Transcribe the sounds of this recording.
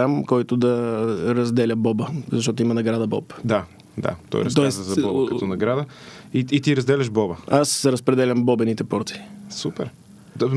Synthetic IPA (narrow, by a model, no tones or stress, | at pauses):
amkɔjt̪ʊd̪ɐɾɐzd̪ɛlʲəbɔbəzɐʃ̬t̪ɔt̪ʊimɐnɐɡɾad̪ɐbɔ̰pd̪a | d̪a̰t̪ɔ̰j̰ɾt̪ɔɛsɐzɐbɔbkɐɔnɐɡɾad̪ə | iːt̪iɾɐzd̪ɛlʲɛʃbɔbəasɛɾɐspɾɛd̪ɛlʲɐmbɔbɛnit̪ɛpɔɾt̪i̥supɛɾ | d̪